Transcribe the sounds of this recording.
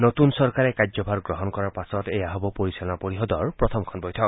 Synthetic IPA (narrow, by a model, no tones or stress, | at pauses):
notunsɔɹkaɹɛkad͡ʒzɔbʱaɹɡɹɔɦɔnkɔɹaɹpasɔtejaɦɔbɔpoɹisɔlɔnapoɹiɦɔdɔɹpɹɔt̪ʰɔmkʰɔnbɔjtʰɔk̚